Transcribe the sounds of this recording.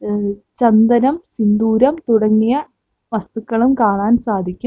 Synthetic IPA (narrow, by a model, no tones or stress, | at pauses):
t͡ɕɐnd̪ɐnɐmsind̪uːɾɐmt̪uɽɐŋːijɐ | ʋɐst̪ukːɐɭumkaːɳaːnsaːd̪ʱikʲːum